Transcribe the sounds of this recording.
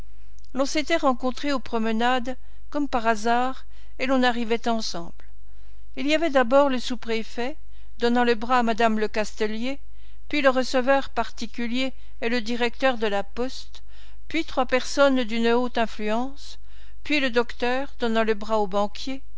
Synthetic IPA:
lɔ̃set̪ɛʁɑ̃kɔ̃t̪χeopχɔmənad̪ | kɔmpaʁazaːʁ | elɔ̃naʁivɛt̪ɑ̃sɑ̃bl | iliavɛd̪abɔʁləsupχefɛ | d̪ɔnɑ̃ləbʁaːmad̪amləkast̪əlje | pɥiləʁəsəvœʁpaʁt̪ikʲyljeː | ləd̪iʁɛk̚t̪œʁd̪əlapɔst̪ | pɥit̪χwapɛʁsɔnd̪ynot̪ɛ̃flyɑ̃s | pɥiləd̪ɔkt̪œːʁd̪ɔnɑ̃ləbʁaobɑ̃kʲʰje

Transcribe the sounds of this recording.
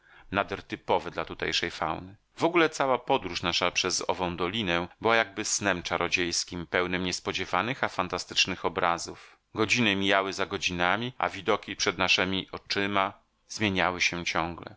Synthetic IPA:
nad̪ɛɾt̪ɘpɔvɛd̪lat̪ut̪ɛjʂɛjfa̰wnɘ | vɔɡulɛt̪sawapɔd̪ɾuʂnaʂapʂɛzɔ̰vɔ̃w̃d̪ɔlʲinɛbɘwajaɡ̚bɘsnɛmt͡ʂaɾʔɔd͡ʑejskʲimpɛwnɛmɲɛspɔd͡ʑɛvanɘxafant̪ast̪ɘ̥t͡ʂnɘxɔbɾazuf | ɡɔd͡ʑinɘmʲijawɘzaɡɔd͡ʑinamʲia̰vʲid̪ɔkʲipʂɛd̪naʂɛmʲiʔɔt͡ʂɘma | zmʲjeɲawɘɕɛt͡ɕɔ̃ŋɡlɛ̰

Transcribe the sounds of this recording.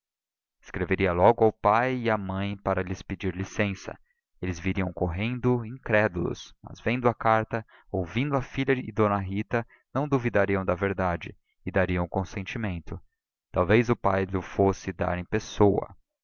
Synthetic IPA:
ɪ̥skɾeveɾiɐlɔɡʊawpajɪiɐmɐ̃j̃paɾɐlɪsped͡ʒiɾlisẽsɐ̰ | elɪzviɾiɐ̃w̃koɦẽnd̪ʊĩŋkɾɛd̪ulʊ̰smɐ̰zvẽnd̪ʊɐkaɾt̪ɐ | owvĩnd̪ʊɐfiʎɐɪ̰d̪õnɐɦit̪ɐ | nɐ̃w̃d̪uvid̪aɾiɐ̃w̃d̪ɐveɾd̪ad͡ʒɪ | ɪd̪aɾiɐ̃w̃kõsẽnt͡ʃimẽnt̪ʊ | t̪awvejzʊpajlʊfosɪd̪a̰ɾẽj̃pesowɐ̰

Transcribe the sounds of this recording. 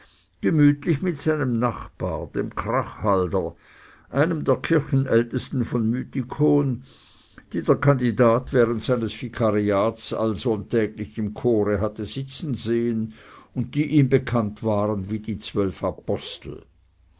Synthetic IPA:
ɡ̥əmyːtlɪçmɪtsaɪnəmnaχb̥a̰ːɐd̥ḛːmkʁ̥aχhaldɐ | ʔaɪnəmdeːɐkʰɪɐçn̩ʔɛltəstn̩fɔnmyːtikʰoːn | d̥iːdeːɐkʰandidaːtv̥ɛːʁəntsaɪnəsfikʰaʁiaːtsa̰lzontʰɛːɡlɪçɪmkʰoːʁəɦatəzɪt͡sn̩zeːənʊnt̚d̥iːʔiːmbəkʰantv̥aːʁənviːdiːt͡sv̥œlfapʰɔstl̩

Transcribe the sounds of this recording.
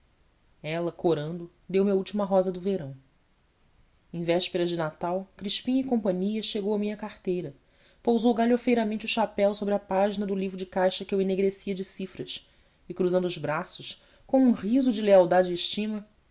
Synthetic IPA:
ɛlɐkʰoɾɐ̃nd̪ʊ | d̪ewmɪɐuwt͡ʃimɐɦɔzɐd̪ʊveɾɐ̃w̃ | ẽj̃vɛʃpeɾɐzd͡ʒɪnat̪awkɾiʃpĩɲɪkõmpɐ̃ɲiɐʃeɡowɐmĩɲɐkaχt̪ejɾɐ | powzowɡaʎofejɾɐmẽnt͡ʃuʃapɛwsobɾɪɐpaʒinɐd̪ʊlivɾʊd͡ʒɪkajʃɐkɪeweneɡɾesiɐd͡ʒɪsifɾɐʃ | ɪkɾuzɐ̃nd̪ʊzbɾasʊʃ | kõw̃ũhizʊd͡ʒɪleawd̪ad͡ʒɪːʃt͡ʃĩmɐ

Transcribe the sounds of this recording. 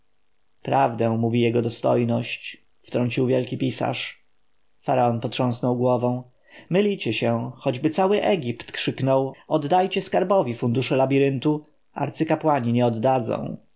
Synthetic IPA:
pɾavd̪ɛ̃muvʲijɛɡɔd̪ɔst̪ɔ̰jnɔɕt͡ɕ | ft̪ɾɔɲt͡ɕiwvʲjɛlkʲipʲisa̰ʂ | faɾaɔnpɔt̪ʂɔ̃w̃snɔwɡwɔvɛ̃w̃ | mɘlʲit͡ɕɛɕɛxɔd͡ʑbɘt̪sawɘʔɛɡʲipt̪kʂɘknɔwɔd̪ːajt͡ɕɛskaɾbɔvʲifund̪uʂɛlabʲiɾɘnt̪u | ʔa̰ɾt̪sɘkapwaɲiɲɛɔd̪ːad̪zɔ̰̃w̃

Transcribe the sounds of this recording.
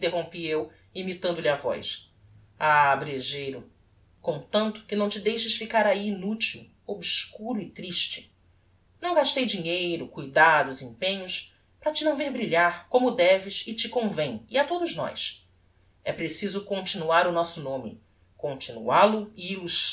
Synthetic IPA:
ĩt̪eɦõpiew | imit̪ɐ̃nd̪ʊliavɔ̰js | abɾeʒejɾʊ | kõt̪ɐ̃nt̪ʊ̥kɪnɐ̃w̃t͡ʃɪd̪ejʃɪsfikaɾaiːnut͡ʃiw | obskuɾʊɪt̪ɾiʃt͡ʃɪ̥ | nɐ̃w̃ɡaʃt̪ejd͡ʒiɲejɾʊkujd̪ad̪ʊzĩpẽɲʊs | pɾɐt͡ʃɪnɐ̃w̃vehbɾiʎaɾkõmʊd̪ɛvɪʃɪt͡ʃikõvẽj̃iat̪od̪ʊznɔ̰js | ɛpɾesizʊkõnt͡ʃinuaɾʊnɔsʊnõmɪ̰ | kõnt͡ʃinṵalʊiːluʃ

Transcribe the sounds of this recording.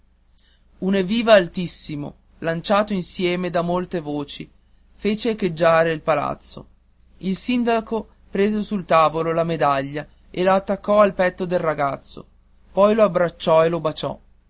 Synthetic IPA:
uneviːvaːlt̪isːimo̰ | lant͡ʃaːt̪oinsjɛːmed̪amolt̪evoːt͡ʃi | feːt͡ʃeked͡ʒːaːɾeilpala̰t̪sːo̰ | ilsind̪ako | pɾeːzesult̪aːvololamed̪aʎːa | elaːt̪ːakːɔalpɛt̪ːod̪elraɡat̪sːo̰ | pɔjloabɾat͡ʃːɔelobat͡ʃɔ̰

